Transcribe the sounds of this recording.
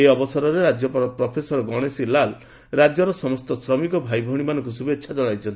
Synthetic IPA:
eɔbɔsɔɾɔɾeɾad͡ʒjɔppɾɔpʰesɔɾɔɡɔɽ̃esilal | ɾad͡ʒjɔɾɔsɔmɔst̪ɔsɾɔmikɔbʱajbʱɔɽ̃imanɔŋkusubetːʃʰad͡ʒɔɽajt͡ʃʰɔnt̪i

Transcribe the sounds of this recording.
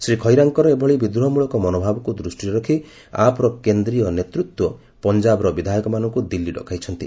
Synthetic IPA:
sɾikʰɔjɾaŋkɔɾɔebʱɔɭibid̪uɦɔmuɭɔkɔmɔnobʱabɔkud̪ɾusʈiɔɾɔkʰi | a̰pɔɾɔkend̪ɾijɔnet̪ɾut̪wɔ | pɔnd͡ʒabɔɾɔbid̪ʱajɔkɔmanɔŋkud̪ilːiɖɔ̰kʰajt͡ʃʰɔnt̪ḭ

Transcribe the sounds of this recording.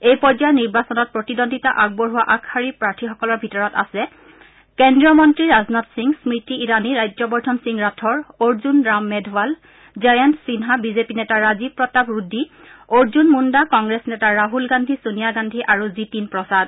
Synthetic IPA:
ejpɔd͡ʒajniɹbasɔnɔt̚pɹotidondʱitaʔaɡ̚bɔɹɦuwaʔakʰhaɹipɹaɹtʰixɔkɔlɔɹbʱitɔɹɔta̰sɛ | kɛndɹiɔmɔntɹiɹaznɔtsiŋsmɹitiːɹaniɹajd͡ʒɔbɔɹtʰɔnsiŋɹatʰɔɹoɹzunɹamːɛdʱwal | zajantsinɦabizepinɛtaɹazipɹɔtabɹudʱːi | oɹzunmundakɔŋɡɹesnɛtaɹaɦulɡandʱisunijaɡandʱiʔaɹuzitinpɹɔsad

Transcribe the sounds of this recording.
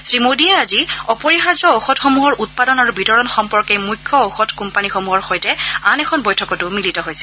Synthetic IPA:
sɹimodiaaziɔpɔɹixaɹzɔoxɔtxɔmuɦɔɹut̚padɔnaɹubitɔɹɔnxɔmpɔɹkejmujkʰːɔoxɔtkumpanixomuɦɔɹxojtɛanɛkʰɔnbojtʰɔkɔtʊmilitɔɦojsɛ̥

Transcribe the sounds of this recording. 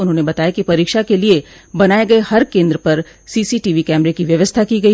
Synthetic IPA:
ʊnɦõːnebɐt̪aːjakipɐɾiːkʃakelie | bɐnaːeɡɐehɐɾkẽːnd̪ɾəpɐɾ | siːsiʈiːʋikɛːmɾekiʋjɐʋəst̪ʰakiɡɐi

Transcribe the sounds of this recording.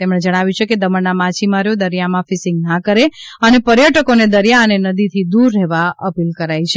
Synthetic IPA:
t̪emɳed͡ʒəɽ̃aʋjũt͡ʃʰeked̪əməɳnamat͡ʃʰimaɾjod̪əɾijamãfɪsɪ̃ŋɡnakəɾeənepəɾjəʈəkoned̪əɾijaənenəd̪it̪ʰid̪uɾːɛɦʋaəpilkəɾajt͡ʃʰe

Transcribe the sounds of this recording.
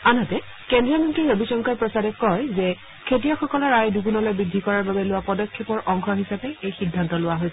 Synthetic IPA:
anatɛ | kendɹiamentiɹobisɔŋkaɹpɹɔsaɾɛkɔjzɛ | kʰetijaxɔkɔlɔɹajdukunɔlojbɹidʱikɔɹaɹbabɛlʊwapɔdɔkʰːepɔɹʔɔŋxʰɔɦisapɛejxidʱːantɔlʊwaɦojs

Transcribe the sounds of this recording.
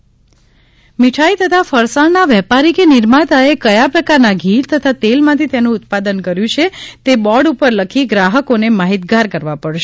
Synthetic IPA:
miʈʰait̪ət̪ʰafəɾsaɭnaʋɛpaɾikenɪɾmat̪aekəjapɾəkaɾnaɡʱiɾt̪ət̪ʰat̪elmãt̪ʰit̪jenũʊt̪̚pad̪ənkəɾjũt͡ʃʰet̪ebɔɽupəɾləkʰiɡɾaɦəkonemaɦit̪̚ɡaɾkəɾʋapəɽʃe

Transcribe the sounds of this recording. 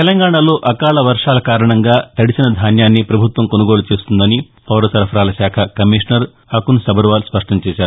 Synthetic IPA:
t̪elɐŋɡaːɳɐlo̞ːʔɐkaːlɐʋɐɾʂaːlɐkaːɾɐɳɐŋɡaːt̪ɐɽit͡ʃɐnɐd̪ʱaːnjaːnːipɾɐbʱut̪ʋɐmkonɐɡo̞ːlut͡ʃeːst̪und̪ɐni | pʰɐːɾɐsɐɾɐpʰɐɾaːlɐsaːkʰɐkɐmiʂnɐɾ | ɐkunsɐbɐɾʋaːlspɐʂʈɐmt͡ʃɛːʃaːɾuu

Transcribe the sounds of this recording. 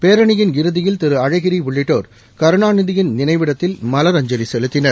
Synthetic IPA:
peːɾɐɳɪjɪnɡɪɾɯðɪjɪlt̪ɪɾɯɐɻɐɪɣɪɾiʋʊɭːɪʈːoːɾ | kɐɾɯɳaːnɯðɪjɪnnɪnɐɪʋɪɽɐt̪ːɪlmɐlɐɾɐɲd͡ʒɐɾisɛlɯt̪ːɪnɐɾ

